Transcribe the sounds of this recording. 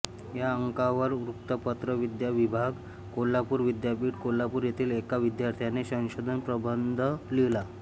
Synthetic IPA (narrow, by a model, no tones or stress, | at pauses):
jaəŋkaʋəɾɾukt̪əpət̪ɾəʋid̪jaʋibʱaɡ | kolːapuːɾʋid̪japiːʈkolːapuːɾjet̪ʰiːlekaʋid̪jaɾt̪ʰjanesə̃w̃ɕod̪ʱənpɾəbənd̪ʱəlila